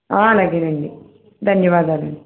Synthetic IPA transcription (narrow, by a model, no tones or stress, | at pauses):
aːlɐɡenɐɳɖi | d̪ʱɐnjɐʋaːd̪aːlɐ̰ɳɖi